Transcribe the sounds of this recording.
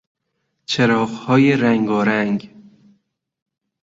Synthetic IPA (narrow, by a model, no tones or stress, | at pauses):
t͡ʃʰeɾɒːɣhɒːjeɾæŋɡɒːɾæŋɡ